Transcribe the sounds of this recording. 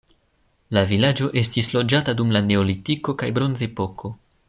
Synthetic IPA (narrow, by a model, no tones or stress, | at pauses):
lavilad͡ʒo̞ʔe̞stislo̞d͡ʒatadumlane̞olitiko̞kajbɾo̞nze̞po̞kʰo̞